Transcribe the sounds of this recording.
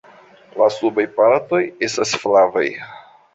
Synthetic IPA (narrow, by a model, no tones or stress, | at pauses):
lasubajpaɾto̞je̞stasflava̰j